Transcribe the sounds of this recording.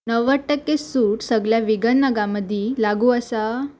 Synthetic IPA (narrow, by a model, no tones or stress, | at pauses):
nəʋəʈːəkːesuːʈsəɡɭjaʋiɡənːəɡãməd̪ʱːilaɡuəsa